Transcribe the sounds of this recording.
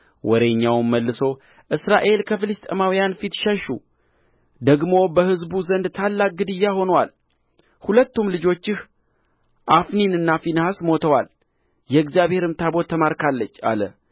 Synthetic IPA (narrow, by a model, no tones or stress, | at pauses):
wɔɾe̞ɲːawmːəlːɨso̞ | ʔɨsɾaʔe̞lkʰəfɨlɨst̪ʼemawijanfit̪ʃɛʃu | d̪əɡmo̞bəhɨzbuzənd̪t̪ʰalːak̚ɡɨd̪ɨjːaho̞nwal | hulət̪ːumlɨd͡ʒo̞t͡ʃːɪh | ʔafninɨnːafinhasmo̞t̪ʰəwal | jɛɨɡzijaβhe̞ɾɨmt̪ʰabo̞t̪ʰːəmaɾkalːət͡ʃːa̰lə̰